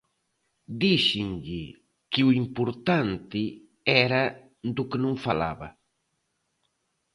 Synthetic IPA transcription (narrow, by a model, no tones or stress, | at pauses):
d̪iʃɪŋʎɪ | kɪuimpʊɾt̪ant̪ɪ | ɛɾɐ | d̪ʊkɪnõŋfa̰la̰βɐ̰